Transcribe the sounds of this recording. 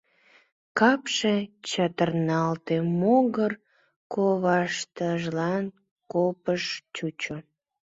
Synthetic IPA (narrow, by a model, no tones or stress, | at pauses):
kɑpʃet͡ɕɑt̪ərnɑlt̪emoɣər | koβɑʃt̪əʒlɑn | kopəʃt͡ɕut͡ɕo